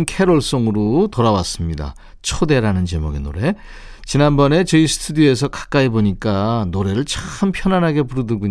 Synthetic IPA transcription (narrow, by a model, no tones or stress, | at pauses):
nkʰe̞ɾoɭs͈oŋɯɾotʌɾawas͈ɯmɲida̰ | t͡ɕʰode̞ɾanɯnt͡ɕe̞mʌɡeno̰ɾe̞ | t͡ɕinanbʌne̞t͡ɕʌisʰɯ̥tʰudie̞sʰʌkḁk͈aiboɲik͈anoɾe̞ɾɯɭt͡ɕaxɯmpʰjʌnanɦaɡe̞puɾɯdɯɡuɲ